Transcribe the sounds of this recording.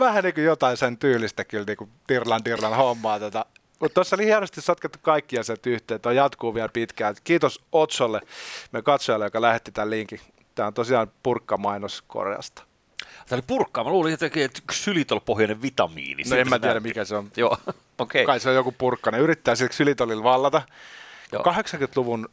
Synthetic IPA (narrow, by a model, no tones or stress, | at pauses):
ʋæhæniːkujot̪ɑisent̪yːlːˑist̪ækylniːkut̪irlɑnt̪irlɑnhomːɑːt̪ot̪ɑ | mut̪t̪osːolihiænost̪issot̪ket̪ːu̥kɑikːiɑsiælt̪yht̪eːt̪ːoijɑt̪kuːʋiælpit̪kælkiːt̪osot̪solːemyækɑt̪sojɑlːejokɑlæhet̪ːit̪ælliŋki | t̪æːont̪osiɑːnpurkːɑmɑinosko̰rjɑ̰st̪ɑ̥ | t̪æːolipurkːɑːmæluːliet̪ːkeet̪ysylit̪olpohjɑneʋʋit̪ɑmḭːnḭsnoemmæt̪iæɾæmikæseonjoː | okekɑiseojokupurkːɑneyrit̪ːæːsilksylit̪olilʋɑlːɑt̪ɑkkɑheksɑŋkyt̪luʋun